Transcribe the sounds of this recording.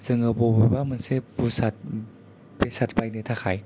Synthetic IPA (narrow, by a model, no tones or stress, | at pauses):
z̥ɯŋɯbobɯbamɯnsebusat̚ | besatʰbajnɯtʰakʰaj